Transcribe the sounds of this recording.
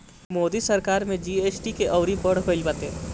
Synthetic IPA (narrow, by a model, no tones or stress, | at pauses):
moːd̪isɐɾkaːɾmẽd͡ʒieːsʈikeʔɐʊɾipəɽɦolpət̪e